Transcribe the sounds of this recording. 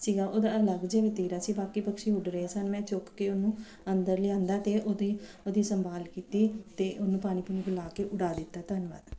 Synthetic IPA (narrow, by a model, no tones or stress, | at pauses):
siːɡaːʔoːd̪aːələɡd͡ʒeːʋet̪iːɾaːsiːbaːkiːpəkʃiːʊɖɾeːsənmɛ̃ːt͡ʃʊkkːeːonũː | ənd̪əɾlɪãːnd̪aːt̪eːʔoːd̪iː | od̪iːsəmbaːlkiːt̪iːt̪eːʔonũːpaːñĩːpuniɡəlaːkeːʔʊɽaːd̪ɪt̪ːaːt̪ənʋa̰ːd̪